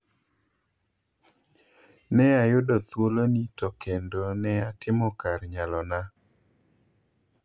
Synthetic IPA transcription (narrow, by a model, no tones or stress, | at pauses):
nɛajʊdɔt̪wolonitɔkʰendonɛatɪmɔkarɲalɔna